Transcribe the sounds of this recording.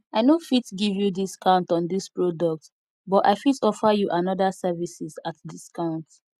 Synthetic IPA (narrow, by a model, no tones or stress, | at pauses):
aɪnofitɡivjudiskʰãʊ̃ntɔ̃ndispɹodɔk̚t | bɔta̰ɪfitɔfajuʔãnɔdasɛvisizat̚diskãʊ̃nt